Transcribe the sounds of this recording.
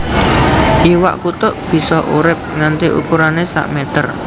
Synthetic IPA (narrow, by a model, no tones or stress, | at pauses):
ʔiwa̰ʔkut̪ʊʔb̥i̤sɔʔṵɾɪp̚ŋant̪iʔṵkuɾanesa̰ʔmɛt̪ər